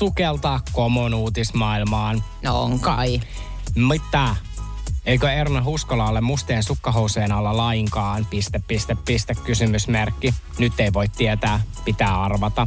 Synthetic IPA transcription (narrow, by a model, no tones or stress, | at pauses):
sukelt̪ɑkːoːmonuːt̪ismɑːilmɑːnnoo̰ŋkɑ̰i | mit̪ːæ | eikøernɑɦuskolɑːlːemust̪eːnsukːɑɦouseːnɑlːɑlɑiŋkɑːnpist̪eppist̪epːist̪ekkysymysmerkːinyt̪ːeiʋo̞it̪tiet̪æːpit̪æːɑrʋɑt̪ɑ